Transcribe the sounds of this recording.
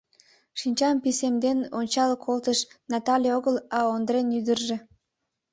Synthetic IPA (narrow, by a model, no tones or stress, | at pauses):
ʃinʲt͡ɕɑmpisemd̪enonʲt͡ɕɑlkʰolt̪əʃnɑt̪ɑlʲioɣəlɑond̪ɾenyd̪ərʒe